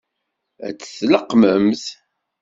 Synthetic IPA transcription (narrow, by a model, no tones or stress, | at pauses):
æ̰t͡sːə̥θləqːməmθ